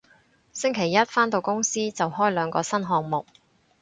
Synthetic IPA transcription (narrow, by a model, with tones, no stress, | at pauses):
sɪ˥ŋkʰe˨˩jːɐ˥t̚faː˥nt̪o˧wkʊ˥ŋsiː˥t͡sɐ˨whɔː˥jlœː˨˧ŋkɔː˧sɐ˥nɦɔː˧ŋmʊ˨k̚